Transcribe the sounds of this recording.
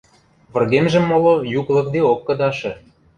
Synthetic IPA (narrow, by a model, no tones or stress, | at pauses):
βə̆rɣemʒĕmːolojuklˠɤ̆k̚d̪eokːɤ̆d̪ɑʃɤ̆